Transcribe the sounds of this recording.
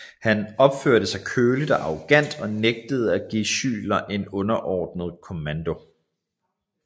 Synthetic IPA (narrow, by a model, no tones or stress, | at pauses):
hænɒ̽b̥føɐ̰ɾ̥əsɑ̈ɪkʰøːlid̥ɒ̽ʔɑ̈ʁoɡ̥æn̰d̥ɒ̽neɡ̥̚d̥əð̞̩ˠæɡ̥iɕy̰ːlɐʔe̝nɔ̽nɐʔɒ̰ːd̥nəð̞̩ˠkʰo̝mænd̥o̝